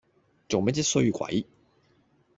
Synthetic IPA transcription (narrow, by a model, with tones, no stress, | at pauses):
t͡so˨ŋme˥t͡si˥tsɵ˥ɥjy˨kwɐ̰˨˦j